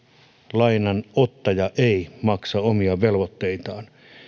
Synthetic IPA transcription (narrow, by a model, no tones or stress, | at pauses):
lɑinɑnot̪ːɑjɑʔeˑimɑksɑomiɑʋelʋot̪ːeit̪ɑːn